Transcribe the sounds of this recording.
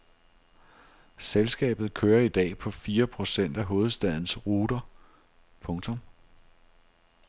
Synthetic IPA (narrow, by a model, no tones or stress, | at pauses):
selsɡ̥ɛ̰ːb̥ð̩ˠkʰøːɐid̥ɛ̰ːpʰɒ̽fiːɐpʰʁo̝sen̰d̥æɦo̝ːð̞̩ˠsd̥æð̞̰ˠn̩sʁuːd̥ɐ | pʰɔ̽ŋt͡sʰɔ̽m